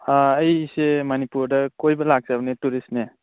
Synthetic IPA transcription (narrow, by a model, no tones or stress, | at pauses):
aːjsemanipuɾdɐkojbɐlak̚z̥abnetuɾisne